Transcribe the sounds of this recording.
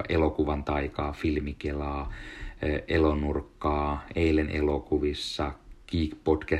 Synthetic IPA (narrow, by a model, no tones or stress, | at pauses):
ʔelokuʋɑnt̪ɑikɑːfilmikelɑː | ʔelonurkːɑːeilenʔelokuʋisːɑkiːkpotkæ